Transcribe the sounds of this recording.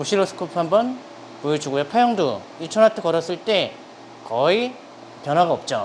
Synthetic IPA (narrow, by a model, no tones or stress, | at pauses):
muɕʰiɾosʰɯ̥kʰɯpʰɦambʌn | pujet͡ɕuɡojepʰajʌŋdo | intʰʌnatʰɯkʌɾʌs͈ɯɭt͈e̞ | kʌi | pjʌnɦwaɡaʌp̚t͡ɕ͈o